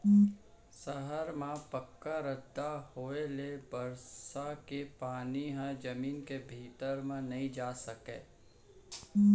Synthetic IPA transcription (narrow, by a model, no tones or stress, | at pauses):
səɦəɾmẽpəkːaɾəd̪ːahoːelebɐɾsakepaːniɦãd͡ʒɐmiːnkebʱiːt̪əɾmẽnɐɦĩd͡ʒaːsəkḛː